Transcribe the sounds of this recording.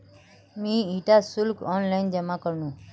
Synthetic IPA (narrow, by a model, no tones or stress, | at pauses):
mĩiʈasʊlkɔnlaind͡ʒəmãkəɾnũ